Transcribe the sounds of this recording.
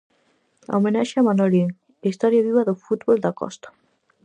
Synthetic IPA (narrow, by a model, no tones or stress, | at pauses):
a̰omenaʃamanolin | ist̪ɔɾjaβiβaðofut̪βold̪akɔ̰st̪ḁ